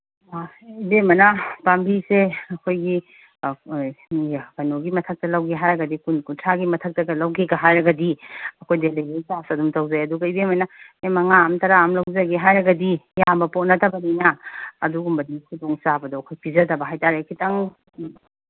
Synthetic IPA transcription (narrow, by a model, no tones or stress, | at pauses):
ibemɐnɐpambiseɐkʰojɡi | pɐnoɡimɐtʰɐk̚tɐlawɡeɦajɾɐɡɐdikunkuntʰaɡimɐtʰɐk̚tɐɡɐlɐwɡeɡɐɦajɾɐɡɐdiɐkʰojdeleɡejsasɐdumtɐwzajɐduɡɐibemɐnɐemɐŋaɐmtɐɾaamlɐwzɐɡeɦajɾɐɡɐdijambɐpot̚nɐtʰɐbɐninɐɐduɡumbɐdikʰudoŋsabɐdɔɐkʰojpʰizɐdɐbɐɦajtaɾekʰitaŋ